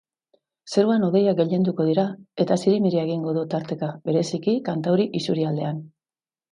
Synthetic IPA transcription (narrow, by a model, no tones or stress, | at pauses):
se̞ɾuanoðe̞jaɡe̞ʎe̞nd̪uko̞ð̞iɾae̞t̪asiɾimiɾieɣ̞iŋɡo̞ðut̪aɾt̪e̞kabe̞ɾe̞sikikant̪awɾiʔisuɾiald̪e̞an